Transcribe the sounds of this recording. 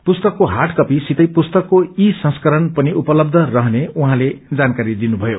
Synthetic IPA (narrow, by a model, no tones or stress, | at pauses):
pust̪ʌkːoɦaʈkʌpisit̪ʌjpust̪ʌkːoisʌ̃skʌɾʌnpʌniʔupʌlʌb̚d̪ʱʌrʌɦneuɦãled͡zankaɾid̪inubʱʌjo